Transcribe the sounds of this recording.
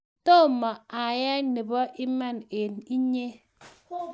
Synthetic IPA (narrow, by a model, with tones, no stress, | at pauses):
to˦˨mɔ˨a˨ja˦ne˨bɔ˦ʔi˦ma˦˨ne˨ni˦ɲe˦